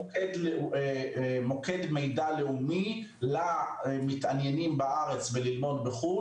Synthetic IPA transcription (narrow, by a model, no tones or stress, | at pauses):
kedle | mo̞kedme̞jdale̞umi | lamitanjenimbaʔaʁe̞t͡svelilmo̞dbeχu